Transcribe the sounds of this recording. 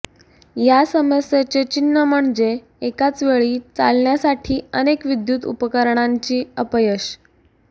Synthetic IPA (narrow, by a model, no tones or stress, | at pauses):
jasəməsjet͡set͡ɕinːəməɳd͡ze | ekat͡sʋeɭiːt͡sa̰lɳjasaʈʰiːənekʋid̪jut̪ṵpəkəɾɳaɲt͡ɕiːəpəjəɕ